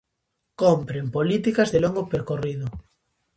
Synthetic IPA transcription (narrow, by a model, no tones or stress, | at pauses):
kompɾempolit̪ikazðeloŋɡopeɾkorið̞ʊ